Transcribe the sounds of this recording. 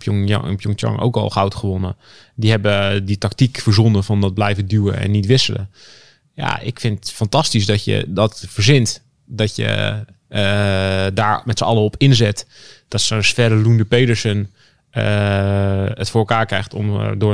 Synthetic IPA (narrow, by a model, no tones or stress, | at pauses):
pjoŋtɔ̰ŋʔo̰wkɔ̰lˠxawtχəʋonə | diɦɛbəditaktikfəɹzonəfɔndɔt̚blɛjvədywə̰ɛ̰nːitʋɪsələ̰ | ja̰ɪ̰kfɪntfɑntɑstis̬dɔtjə̰dɔtfəɹzɪnt | dɔtjə̰ | daːɹmɛtsəɑlˠəopʰɪnzɪtd̥ɔtsənsfɛɾəlundəpejdəɹsən | ə | ətfoːɹəlˠkaːɹkrɛxtomdʊː